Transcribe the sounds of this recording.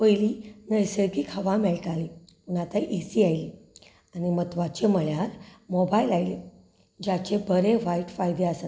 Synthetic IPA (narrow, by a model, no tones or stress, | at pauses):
pəjlinəjsəɾkikʰaʋãmɛɭʈali | unat̪aʔesiajli | animət̪ʋat͡ɕeməɭjaɾmɔbailajle | d͡ʑat͡ɕebəɾẽʋaiʈfajd̪easat̪